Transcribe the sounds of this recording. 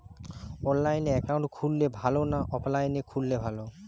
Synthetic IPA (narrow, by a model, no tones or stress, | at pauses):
onlajneɛkawɳʈkʰulːebʱalonaʔɔplajnekʰulːebʱalo